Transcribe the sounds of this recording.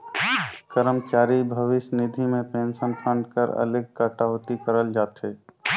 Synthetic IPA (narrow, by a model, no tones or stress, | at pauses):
kəɾəmt͡ʃaːɾibʱəʋɪsnid̪ʱimẽpensənpʰə̃ɳɖkəɾə̰lɪɡ̚kəʈat̪ikəɾəld͡ʒaːt̪ɛ